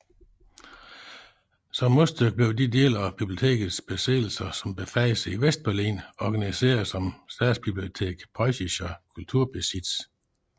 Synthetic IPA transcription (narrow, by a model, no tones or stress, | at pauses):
sɒ̽mːosd̥øɡ̥̚b̥le̝ʊd̥id̥e̝̰lɒb̥ib̥lio̝t͡sʰe̝̰ːɡ̥ð̩ˠsb̥e̝sḛːl̩sɐsɒ̽mb̥e̝fæɪsəiʋesd̥̚b̥æɐlḭːnɒɡ̥ænise̝̰ːɐð̩ˠsɒ̽msd̥ɛ̥sb̥ib̥lio̝t͡sʰe̝̰ːɡ̥pʰʁɒɪɕiɕɒkʰult͡sʰuɐ̰b̥esid̥s